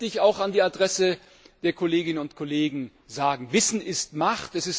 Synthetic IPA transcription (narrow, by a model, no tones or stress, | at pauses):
d̥ɪçaʊxandiːadʁɛsə | d̥eːɐkʰoleːɡɪnənʊntkʰoleːɡŋ̩ | zaːɡŋ̩vɪsn̩ɪstmaχtɛsɪs